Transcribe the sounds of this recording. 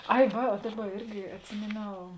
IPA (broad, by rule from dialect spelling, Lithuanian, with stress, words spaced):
ˈɐɪ ˈʋɐ oː ˈdɑːˌbɐ ˈɪrʲɡʲɪ ɐtʲˈsʲɪmʲeːˌnʲɛʊ